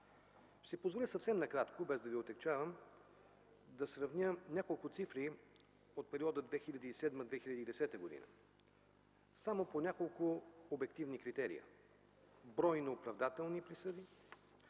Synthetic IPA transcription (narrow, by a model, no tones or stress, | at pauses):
sipozvolʲisɐfsɛmnɐkɾat̪kobɛzd̪ɐviot̪ɛkt͡ʃavəm | d̪ɐsɾɐvnʲənʲakolˠkʊt̪sifɾi | ot̪̚pɛɾiɔd̪əd̪vɛxilʲɐd̪isɛd̪məd̪vɛxilʎʲɐd̪id̪ɛsɛt̪əɡod̪ḭnə̰ | samoponʲakolˠkʊobɛk̚t̪ivnikɾit̪ɛɾḭə̰ | bɾɔjnoːpɾɐvd̪at̪ɛlˠnipɾisəd̪i